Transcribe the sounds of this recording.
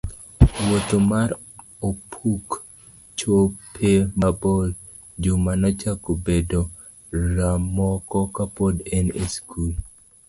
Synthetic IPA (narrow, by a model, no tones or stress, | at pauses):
wot̪omaɾ | opʰuk | t͡ʃopʰemabɔl | d͡ʒomanɔt͡ʃakobedo | ɾamɔkɔkapodeneskʰul